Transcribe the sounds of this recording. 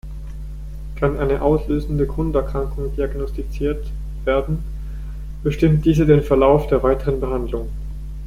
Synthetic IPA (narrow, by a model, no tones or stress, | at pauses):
kʰanʔaɪnəʔaʊsløːzn̩dəɡʁʊntɛɐkʁ̥aŋkʊŋd̥iaɡnɔstit͡siːɐt | v̥eːɐdn̩ | b̥əʃtɪmt̚d̥iːzədeːnfɛɐlaʊfd̥eːɐvaɪtʰəʁənbəɦandlʊŋ